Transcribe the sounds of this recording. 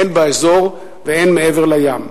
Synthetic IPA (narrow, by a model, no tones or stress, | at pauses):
enbaezo̞ʁ | veenmeeveʁlajam